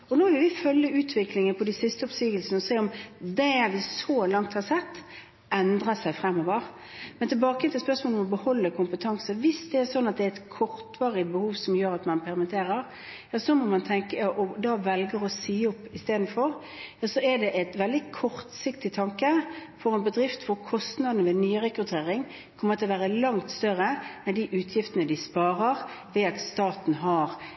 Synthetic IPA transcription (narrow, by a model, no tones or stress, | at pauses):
ɔnoːʋɪlʋɪfœlːəʉːt̪ʰʋɪklɪŋənpʰɔd̪æɪsɪst̪əʊpsyːɡəlsənəɔseːɔmd̪ɛʋɪsɔlɑŋt̪hɑɾsɛt̪ː | ʔɛnd̪ɾəsæɪfɾɛmːɔʋəɾ | mɛnt̪ʰɪlbɑːkəɛnt̪ɪspœʁsmoːlɔmɔbəhɔlːəkʰʊmpət̪ʰɑŋsəʋɪsd̪ɛæɾsɔnːɑt̪̚d̪ɛɛt̪kʰɔʁt̪ʋɑːɾəbəhuːʋsɔmjøːɾɑt̪mɑnpʰɛɾmɛnt̪ʰeːɾəɾ | jɑːsɔmɔmɑnt̪ʰɛŋkəɑʔɔd̪ɑːʋɛlɡəɾɔsiːɔpːɪst̪eːd̪n̩fɔʁ | jɑːsɔɛd̪ɛʔɛt̪ʋɛld̪ɪkʰɔʁt̪sɪkt̪ɪt̪ʰɑŋkəfɔʁɛnbəd̪ɾɪft̪fɔɾkʰɔst̪nɑd̪nəʋɛnyːɾɛkɾʉt̪ʰeːɾɪŋ | kʰɔmːəɾt̪ʰɛlʋæːɾəlɑŋt̪st̪œʁəɛnd̪iʔʉːt̪ʰjɪft̪ənəd̪ɪspɑːɾəʁʋɛɑt̪st̪ɑːt̪n̩ɦɑɾ